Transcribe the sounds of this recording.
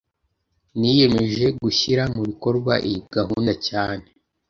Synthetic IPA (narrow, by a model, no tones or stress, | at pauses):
nije̞me̞ʒe̞ɡuçiɾamuβiko̞ɾɡwa̰ʔiɡ̥aɦuːndacaːne̞